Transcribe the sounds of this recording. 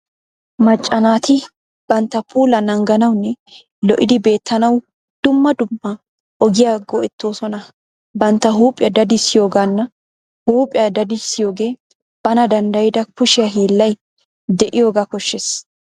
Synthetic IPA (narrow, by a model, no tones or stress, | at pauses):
mɐt͡ʃʼːɐnaːt̪ɪ | b̥ɐnt̪ːɐpʰuːlɐnɐŋɡɐnɐwnːɛ | lɔʔɪ̰d̪ɪbe̞ːt̪ʰːɐnɐw | d̪̥ʊmːɐd̪ʊmːɐ | ɔɡɪjaɡɔʔɛt̪ːo̞ːsɔnɐ | bɐnt̪ːɐɦuːpʼɪjɐd̪ɐd̪ɪsːɪjo̞ːɡanːɐ | huːpʼɪjɐd̪ɐd̪ɪsːɪjo̞ːɡe̞ː | b̥ɐnɐd̪ɐnd̪ɐjɪd̪ɐkʊʃɪjɐɦiːlːɐj | d̪ɛʔɪjo̞ːɡaːkɔʃːes